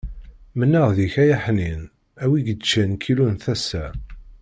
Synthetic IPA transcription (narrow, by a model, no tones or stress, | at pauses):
mənːəʁðiçæjaħnin | æwiɡət͡ʃːænkʰilunθæsːæ